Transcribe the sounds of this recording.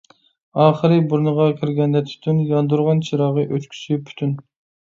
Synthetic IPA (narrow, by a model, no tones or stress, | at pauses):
ɑːχəɾɨbuɾnəʁɑkʲʰiɾɡʲɛnd̪ɛt̪ʰy̥t̪ʰynjɑnd̪uɾʁɑnt͡ʃʰiɾɑʁəʔøt͡ʃ̪kʲʰy̥sipʰy̥t̪ʰyn